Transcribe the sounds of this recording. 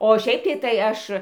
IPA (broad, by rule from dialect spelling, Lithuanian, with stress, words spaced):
oː ˈʃʲɛɪp tɐɪ tɐɪ ˈɐʃ